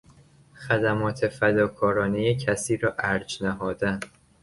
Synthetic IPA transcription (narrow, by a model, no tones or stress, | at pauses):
xæd̪æmɒːt̪ʰe̞fæd̪ɒːkʰɒːɾɒːnejecʰæsiːɾɒːʔæɾd͡ʒnæɦɒːd̪æn